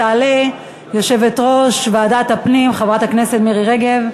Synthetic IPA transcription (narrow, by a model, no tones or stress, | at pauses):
aːle | jo̞ʃe̞vetʁo̞ʃveadat̪hapnimχavʁat̪akne̞setmiʁiʁeɡe̞v